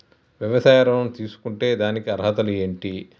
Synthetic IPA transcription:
ʋjɐʋɐsaːjɐɾɐnɐmt̪iːsu̥kuɳʈe̞ːd̪aːnikiɐɾɦɐt̪ɐlue̞ːɳʈi

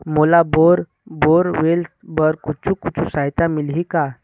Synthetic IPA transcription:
molaboɾ | boɾʋel | bəɾkut͡ʃʰũkut͡ʃʰusaɦjt̪amilɦika

